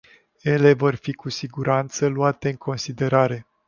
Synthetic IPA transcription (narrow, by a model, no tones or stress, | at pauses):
je̞le̞vo̞rfikusiɡuɾant̪səluat̪e̞ɨŋkʰo̞nsid̪e̞ɾaɾe̞